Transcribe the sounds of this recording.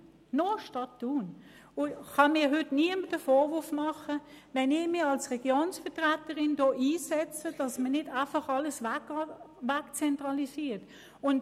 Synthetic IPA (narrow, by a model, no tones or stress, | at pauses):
noʃtɑtːuːn | ʊχɑnmɪːɐɦʏtniəməd̥əfɔːʋʊfmɑχəʋɛnɪçmɪɑlsʁɛɡ̥joːnsfɛtʁætəʁɪndoːʔiːsɛt͡səd̥ɑsmənɪd̥æɪfɑχɑləsʋæk | ʋækt͡sɛntʁɑlisiːt | ʊnd